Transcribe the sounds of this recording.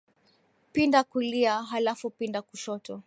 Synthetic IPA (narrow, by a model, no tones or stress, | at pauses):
pindakuliaɦalafupindakuʃɔtɔ